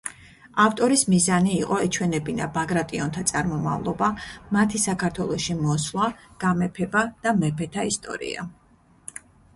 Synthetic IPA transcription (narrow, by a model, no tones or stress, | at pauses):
aft̪ʼɔɾismizaniːqʼɔɛt͡ʃʰwɛnɛbina̰baɡɾat̪ʼiɔnt̪ʰat̪sʼaɾmɔma̰vlˠɔbamat̪ʰisakʰaɾt̪ʰwɛlˠɔʃimɔslˠaɡ̥amɛpʰɛbad̪̥amɛpʰɛt̪ʰaist̪ʼɔ̰ɾḭa̰